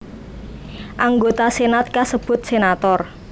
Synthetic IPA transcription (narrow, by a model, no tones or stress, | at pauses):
ʔaŋɡot̪asenat̪̚kasəb̥ʊ̤t̪̚senat̪ɔr